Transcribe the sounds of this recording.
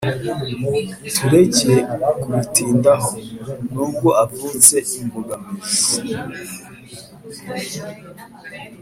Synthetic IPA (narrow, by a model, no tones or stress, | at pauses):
tʰuɾeɟiekuitiːndaɦonuːɡoavuːnze̞ʔimbuɡamiz